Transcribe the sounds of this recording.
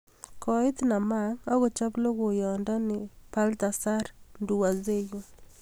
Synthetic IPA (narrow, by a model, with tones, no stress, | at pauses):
kʰɔ˨ɪ˦t̪na˨ma˦ŋɔ˦ɣɔ˨t͡ʃa˦plo˦ɡo˨jɔ˨ndɔ˦nɪ˨pa˦lta˨sa˦ɾndu˨wa˨ze˦jo˦